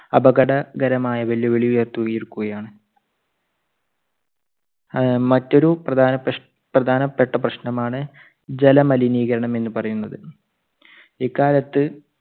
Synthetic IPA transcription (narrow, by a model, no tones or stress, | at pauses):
ɐbɐɡɐɽɐɡɐɾɐmaːjɐʋɐljɐʋeɭijue̞ːrt̪ːuɣɐjiɾukːuɣɐjaːɳɨ | mɐtːoɾuprɐd̪ʱaːnɐ | prɐd̪ʱaːnɐpːe̞ʈːɐp̬rɐɕnɐmaːɳɨ | d͡ʑe̞lɐmɐliniːɣɐɾɐɳɐme̞nːɨpɐrɐjunːɐðɨ | iːkːaːlɐt̪ːɨ